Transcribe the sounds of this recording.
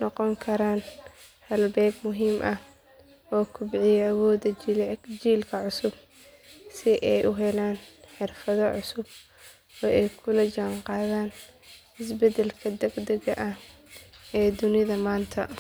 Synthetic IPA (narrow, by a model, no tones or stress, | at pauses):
nɔqɔŋkʰɐɾaːn | hɐlbɛːɡmʊɦiːmʔɐh | ʔɔːkʰʊbɪʕɪjɐwɔːd̪ɐd͡ʒiːlkʰɐʕʊsʊb | sɪʔɛjʔʊɦɛlaːnħɪrfɐðɔʕʊsʊb | ɔːʔɛjkʰʊlɐt͡ʃɐɴqɑːðaːn | ɪsbɛd̪ɛlkʰɐd̪ɐɡd̪ɐɣɐʔɐh | ɛːd̪ʊnɪðɐmaːnt̪ʰɐ